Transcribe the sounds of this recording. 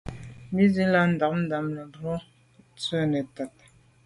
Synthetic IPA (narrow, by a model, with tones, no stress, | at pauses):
mi˦zi˦la˦n̩˨da˨k̚n̩˦da˨mnɛ˨du˨o˦ | t͡sɛ˦nɛ˨ta˨t̚